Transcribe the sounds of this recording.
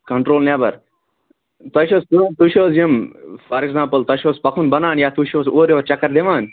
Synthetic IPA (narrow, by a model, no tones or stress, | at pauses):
kɐɳʈɾoːlneːbɐɾ | t̪ɐʃoːstuut̪uʃoːsjimfaɾekzãːmpəlt̪ɐʃoːspɐkʰunbɐnaːnjaːt̪uʃoːsoːɾjoːɾt͡ʃɐkːəɾd̪eʋaːn